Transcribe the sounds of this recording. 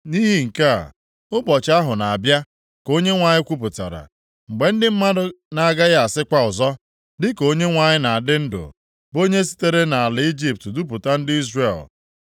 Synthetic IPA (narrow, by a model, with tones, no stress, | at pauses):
ni˦ɦi˨ŋ̩˨ka̰˦˨ | ʊ˦bɔ˨t͡ʃa˦ɦʊ˨na˨a˨bja˦ | ko˦ɲe˦ŋʷa˨ɲɪ˦kʷu˦p̬ʊ˨ta̰˨ɾa̰˨ | ŋ͡m̩˨ɡ͡be˨n̩˦dɪ˦m̩˦ma˦dʊ˦na˨a˨ɡa˦ɣa˦a˨sɪ˦kʷa˦ʊ˨zɔ˦ | dɪ˦ko˦ɲe˦ŋʷa˨ɲɪ˦na˨a˨dɪ˦n̩˦dʊ̰˨ | bo˦ɲe˦si̥˦te˦ɾe˦na˨a˨lɪ˨˦i˦d͡ʒi˦p̚tdu˦pʊ˨ta˦n̩˦dɪ˦i˦zre˦˨l